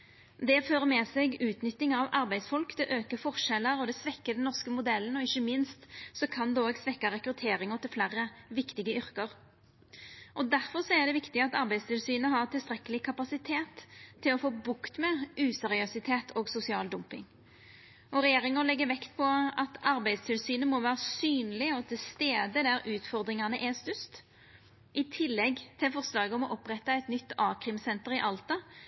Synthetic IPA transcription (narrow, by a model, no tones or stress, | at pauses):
d̪ɛføːʁəmɛseːɡʉːt̪nʏt̪ːɪŋɑʋɑɾbæɪsfɔlkd̪ɛʔøːkəfɔʁʂɛlːəɾɔd̪ɛsʋɛkːəd̪ɛnnɔʁskəmʊd̪ɛlːənɔɪçːəmɪnst̪sɔkʰɑnd̪oːɡsʋɛkːɑɾɛkɾʉt̪ʰeːɾɪŋəʁt̪ʰɪlflæɾːəʋɪkt̪ɪɡəʏɾkəɾ | ʔɔd̪æʁfɔʁsɔæʁd̪ɛʋɪkt̪ɪɑt̪ɑɾbæɪst̪ɪlsyːnəɦɑʁt̪ʰɪlst̪ʁɛkːəlɪkʰɑpɑsɪt̪ʰeːt̪ʰːɪlɔfoːbʊkt̪mɛʔʉːsɛʁɪœsɪt̪ʰeːt̪ʰoːɡsʊsɪɑːld̪ʊmpɪ̰ŋ | ɔʁɛjeːʁɪŋəʁlɛɡːəʋɛkt̪pʰɔɑt̪ɑʁbæɪd̪st̪ʰɪlsyːnəmɔʋæːʁəsyːnlɪɔt̪ʰɪlst̪eːd̪əd̪æɾʉːt̪fɔʁd̪ɾɪŋɑnəʔɛst̪ʉst̪ | ʔɪt̪ʰɪlːɛɡt̪ʰɪlfɔʁslɑːɡəɔmɔʔɔpːʁɛt̪ːɑæɛɪt̪nʏt̪ːɑːkʁɪmsɛnt̪əɾɪʔɑlt̪ɑ